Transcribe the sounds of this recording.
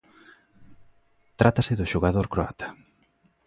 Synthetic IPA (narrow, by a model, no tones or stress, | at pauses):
t̪ɾat̪asɪðʊʃoɣaðoɾkɾoa̰t̪ʰḁ